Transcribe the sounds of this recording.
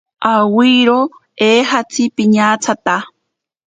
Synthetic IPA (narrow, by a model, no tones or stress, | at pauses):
awiːɾo | eːɦat͡sʰipiɲaːt͡sʰat̪a